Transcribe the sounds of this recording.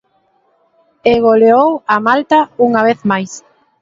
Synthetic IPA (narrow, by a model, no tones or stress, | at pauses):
eɣoleowamalt̪auŋaβ̞eθmajs